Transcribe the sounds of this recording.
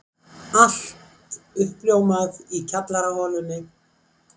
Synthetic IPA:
al̥t̪ʏhpljoːwmaðicʰat̪laɾahɔːlʏnːɪ

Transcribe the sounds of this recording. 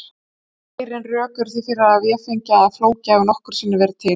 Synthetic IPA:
ajɾɪnrœːkʏɾ̥θifɪɾɪaavjɛfɪɲcaːðafloːwcaːɣʏnɔhkʏɾ̥siːnːaɾvɛːɾɪt̪ʰɪ

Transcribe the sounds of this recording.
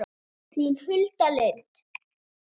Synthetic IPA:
θʰinhʏlt̪alet̪

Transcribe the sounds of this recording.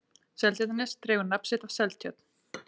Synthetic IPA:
sɛlt̪jœt̪anɪst̪ɾɛːɣʏɾnapsɪt̪av̥sɛlt̪ʰjœt̪n̥

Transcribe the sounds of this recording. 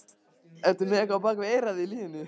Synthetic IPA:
ɛt̪ʏɾmɪɛhkvapaːkvɪejɾaðɪiliːðɪnɪ

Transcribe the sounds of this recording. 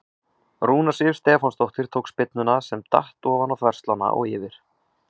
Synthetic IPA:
ruːnasɪv̥st̪ɛːfɔnst̪ɔht̪ɪɾ̥t̪ʰoːwkspɪt̪nʏnasɛmt̪a̰ht̪ɔːvanawθvɛr̥st̪lana̰ʔɔ̰ɣɪːvɪɾ̥

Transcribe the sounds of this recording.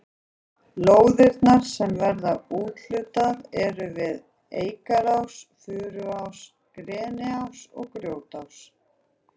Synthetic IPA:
loːwðɪɾt̪naɾ̥sɛmvɛɾðauːt̪l̥ʏt̪aðɛɾʏvɪð | eːjkaɾawsfʏːɾʏaws | kɾɛːnɪawsɔ̰ɣkɾjoːwt̪aws

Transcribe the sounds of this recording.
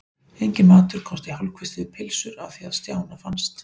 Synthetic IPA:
ejɲcɪnmaːt̪ʏɾ̥kʰɔst̪ihalkʰvɪst̪ɪðɪpʰɪlsʏɾaðθiaðst̪jaːwnafanst̪

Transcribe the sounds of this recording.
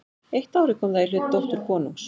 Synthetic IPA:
ejht̪aːwɾɪkʰɔmðairʏðt̪owht̪ʏɾ̥kʰɔːnʏ̰ms

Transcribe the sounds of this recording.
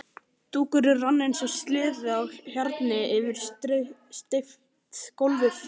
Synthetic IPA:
t̪uːkʏɾɪranːɪnsɔst̪lɪːðʏawçaɾt̪nɪɪvɪɾ̥ | st̪ɪf | t̪kowlvʏf

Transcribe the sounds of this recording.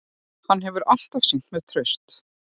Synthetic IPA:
hanːɦɛvʏɾʔal̥t̪afsin̥t̪mɛðt̪ʰɾœɥst̪

